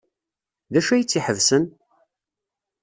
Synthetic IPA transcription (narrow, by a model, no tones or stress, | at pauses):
ðæʃæjt͡sːiħəvsən